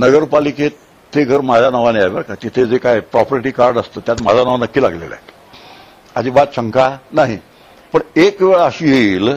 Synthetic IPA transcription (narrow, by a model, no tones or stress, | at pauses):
nəɡəɾpalike | t̪ʰeɡʱəɾmad͡zʱanəʋaneajʋaɾkat̪it̪ʰed͡zekajpɾɔpɾiʈiːkaɾɖəst̪ət̪jat̪ma̰d͡zʱanəʋanəkːiːla̰ɡlḛla̰ | a̰d͡ʑiːbat̪ɕəŋkanaɦi | pəɳekʋeɭəɕiːɦeiːl